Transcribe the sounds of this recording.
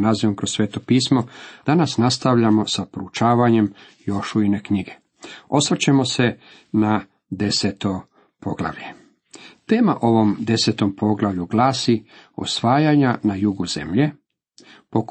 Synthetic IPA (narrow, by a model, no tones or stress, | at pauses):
naziʋomkɾosʋe̞ːt̪o̞piːsmo̞d̪̥anasnast̪aʋʎamo̞sapɾout͡ʃaːʋaɲe̞m | jo̞ʃuine̞kɲiɡe̞̥ | o̞sʋr̩t͡ɕemo̞se̞ | na | d̪e̞set̪o̞ | po̞ɡlˠa̰ʋʎe̞ | t̪e̞ːmaʔo̞ʋo̞md̪e̞se̞t̪o̞mpo̞ɡlˠaʋʎuɡlaːsio̰sʋaːjaɲanajuɡuzḛmʎe̞ | pok